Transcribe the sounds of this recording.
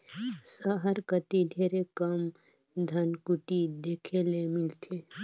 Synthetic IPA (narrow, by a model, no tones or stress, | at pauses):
səɦəɾkət̪id̪ʱeːɾekɐm | d̪ʱɐnkuʈid̪eːkʰelemɪlt̪ʰe